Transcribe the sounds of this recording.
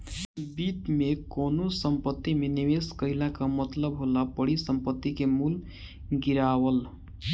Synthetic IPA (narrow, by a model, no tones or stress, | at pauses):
bit̪mekonosəmpət̪ːimenimeskəɦilakamət̪ləbɦolabəɽisəmpət̪ːikemul | ɡiɾawəl